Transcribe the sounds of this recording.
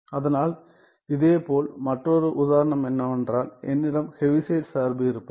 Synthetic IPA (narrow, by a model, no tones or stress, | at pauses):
ɐðɐnaːl | ɪðeːpoːlmɐʈrɔɾɯʔʊðaːɾɐɳɐmɛnːɐɛndraːlɛ̰nːɪɽɐmhɛʋɪseːʈsaːɾbɯɪɾɯpːɯ